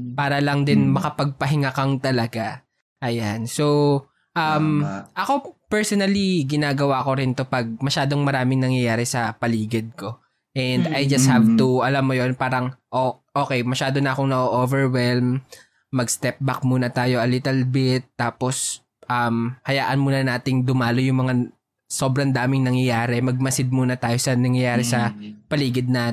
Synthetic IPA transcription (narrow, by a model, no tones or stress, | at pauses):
paːɾɐlɐŋd̪ɪnmɐkɐpɐɡ̚pɐɦɪŋakɐŋt̪ɐlɐɡa | ʔɐjanso̞ | ʔɐmʔɐko̞pɛɹsonɐliɡɪnaːɡɐwako̞ɾɪnt̪o̞pɐɡ̚mɐʃaːd̪oŋmɐɾaːmɪŋnɐŋjɐjaːɾɛsɐpɐliːɡɪd̪̚ko̞ | ʔɛnd̪ɐjd͡ʒɐst̪̚havt̪uɐlamːojonpaːɾɐŋʔoʔo̞ːkɛjmɐʃaːd̪o̞nɐʔɐkoŋnɐʔoʔovɛɹwɛlmː | ɐɡst̪ɛp̚bɐk̚muːnɐt̪aːjo̞ʔɐlɪt̪ɛlbɪt̪ːaːpo̞s | ʔɐmhɐjaːʔɐnmuːnɐnaːt̪ɪŋd̪ʊmaːlojʊŋmɐŋa | so̞bɾɐnd̪aːmɪŋnɐŋjɐjaːɾɛmɐɡ̚mɐsɪd̪̚muːnɐt̪aːjo̞sɐnɐŋjɐjaːɾɛsɐpɐliːɡɪd̪̚na